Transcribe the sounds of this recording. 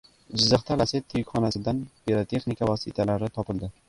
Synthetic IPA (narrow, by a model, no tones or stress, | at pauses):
d͡ʒɪzːaχt̪alaset̪ʰːjɪkʲχɒnasɪd̪anpeɾat̪ʰe̞χnikʰavɒsɪt̪ʰalaɾɪt̪ʰɒpɪld̪ɪ